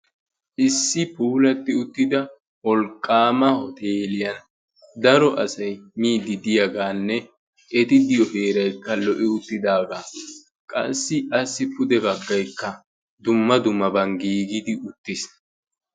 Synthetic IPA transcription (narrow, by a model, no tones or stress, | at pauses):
ʔɪsːɪpuːlɐt̪ːɪʊt̪ːɪd̪ɐ | wɔlkʼːaːmɐhɔt̪eːlɪjɐn | d̪ɐɾɔʔɐsɐjmiːd̪ːɪd̪ɪjɐɡaːnːɛ | ʔɛt̪ɪd̪ɪjɔheːɾɐjkːɐlɔʔɪʊt̪ːɪd̪aːɡaː | kʼɐ̰sːɪɐsːɪpʊd̪ɛbɐɡːɐjkːɐ | d̪ʊmːɐd̪ʊmːɐbɐŋɡiːɡɪd̪ɪʊt̪ːɪs